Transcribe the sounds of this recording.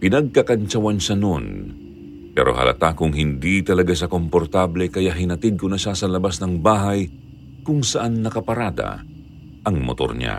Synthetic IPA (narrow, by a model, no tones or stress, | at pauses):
pɪnɐɡ̚kɐkɐnt͡ʃɐwanʃɐnon | pɛ̰ːɾo̰ɦɐ̰lʔɐ̰t̪akʊŋɦɪnd̪it̪ɐlɐɡaʃɐkompoɾt̪ablɛkɐjaʔɦɪnɐt̪ɪd̪̚konɐʃasɐlɐbasnɐŋbaːɦɐj | kʊŋsɐʔanːɐkɐpɐɾaːd̪ɐ̰ | ʔɐŋmo̰t̪o̰ɾɲa̰